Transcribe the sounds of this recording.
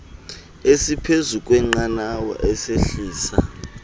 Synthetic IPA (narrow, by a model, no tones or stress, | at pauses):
esipʰezukʼwɛŋ͡ǃanawa̰ʔɛseɬiːsa